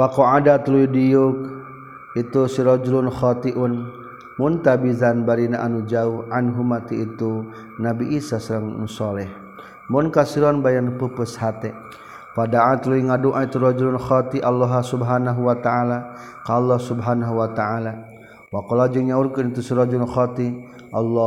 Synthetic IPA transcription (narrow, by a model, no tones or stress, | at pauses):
wakoadat̪luidijʊk̚ | it̪usiɾɔd͡ʒulʊnxɔt̪iʔʊn | mʊnt̪abizanbaɾinaʔanud͡ʒauʔanɦumat̪iit̪u | nabiʔisasəɾaŋ̰sɔlɛh | mʊnkasiɾɔnbajanpəpəshat̪ɛ | padaat̪luiŋaduʔait̪uɾɔd͡ʒulʊnxɔt̪iʔalːɔɦasubɦanaɦuwat̪aala | kalːɔhsubɦanaɦuwat̪aʕala | wakɔlad͡ʒiŋɲauɾkʊnit̪usiɾɔd͡ʒulnxɔt̪i | ʔalːɔ